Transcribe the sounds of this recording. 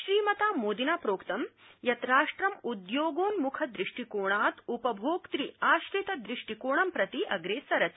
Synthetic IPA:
ʃɾiːmɐt̪aːmoːd̪inaːpɾoːkt̪ɐmjɐt̪ɾaːʂʈɾɐmud̪joːɡoːnmukʰɐd̪ɾiʂʈikoːɳaːt̪upɐbʱoːkt̪ɾiaːʃɾit̪ɐd̪ɾiʂʈikoːɳɐmpɾɐt̪iʔɐɡɾeːsɐɾɐt̪

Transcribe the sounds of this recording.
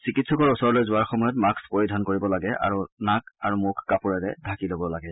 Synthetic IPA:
sikitsɔkɔɹusɔɹɔlojzʊaɹxɔmɔjɔtmakspoɹidʱankoɹibɔlaɡɛʔa̰ɹunakaɹumʊkʰkːapuɹɛtɛdʱakilobɔlaɡɛ

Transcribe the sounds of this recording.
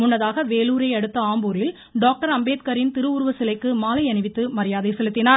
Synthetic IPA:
mʊnːɐðaːɣɐʋeːluːɾɐɪɐɽɯt̪ːɐaːmbuːɾɪl | ɖaːk̚ʈɐɾɐmbeːt̪kɐɾɪnt̪ɪɾɯuːɾɯʋɐsɪlɐɪkːɯmaːlɐɪɐnɪʋɪt̪ːɯmɐɾɪjaːðɐɪsɛlɯt̪ːɪnaːɾ

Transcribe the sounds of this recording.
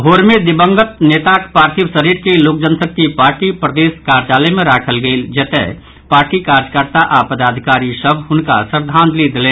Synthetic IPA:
ɦoːɾmed̪ɪbə̃ŋɡət̪̚neːt̪akpaːɾt̪ʰiʋsəɾiːɾkeloːk̚d͡ʒənsəkːipaːɾʈipɾəd̪eːskaːɾd͡ʒaːlemẽɾaːkʰəlɡəild͡ʒɐt̪ḛ | paːɾʈikaːɾd͡ʒkəɾt̪aʔaːpəd̪aːd̪ʱɪkaːɾisəbʱɦʊnka̰səɾd̪ʱãːnd̪lid̪lẽː

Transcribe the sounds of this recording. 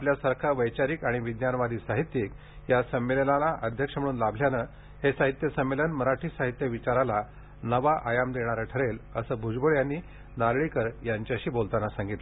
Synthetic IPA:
apljasaɾkʰaʋəjt͡ɕaɾiːkaɽ̃iʋid̪njanʋad̪ʱiːsaɦit̪jek | jasəmːelənalaʔəd̪ʱjəkʂəm̤əɽuːnlabʱljanə | hesaɦit̪jəsəmːelənməɾaʈʰiːsaɦit̪jəʋit͡ɕaɾala | nəʋaʔajamd̪eɽ̃aɾaʈʰəɾeləsəːbʱud͡ʑbəɭjanːiː | nalɭikəɾjaɲt͡ɕjaɕiːbolt̪anasãŋɡit̪ləə

